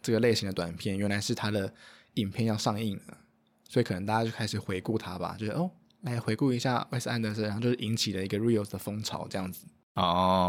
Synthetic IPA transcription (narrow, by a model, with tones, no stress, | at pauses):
ʈ͡ʂɤ˥˩ɡə˩le˥˩ɪɕi˧ŋd̪ə˧t̪wa˨˩npʰjɛ˥˩nɥɛ˧˥nla˧˥ɪʂɻ̩˥˩t̪ʰa˥d̪ə˨ | i˨˩npʰjɛ˥˧njɑ˥˧ʊʂɑ˥˧ŋi˥˩ŋlə˩ | swɔ˧˥i˨kʰɤ˨˩nə˧ŋt̪a˥˩ja˥t͡ɕjo˥˩kʰa˥ʂɻ̩˨˩xwe˧˥ɪku˥˨˩t̪ʰa˦ba̰˨t͡ɕjʂ̩˥˩ʔo˥˩ | la˧˥ɪxwe˧˥ɪku˥˩i˧˥ɕja̰˥˩we˥sa˥˧nd̪ə˧˩sa˧˥˧t͡ɕjo˥˧ʂ̩˥˨i˧˥ŋt͡ɕʰi˨˩lə˦i˧˥ɡə˧ɹi˥˨sd̪ə˩fɤ˥ŋʈ͡ʂʰɑ̰˨˩ʊʈ͡ʂɤ˥˧jɑ˥˩ŋd͡z̩˨˩ | ɔ˥˧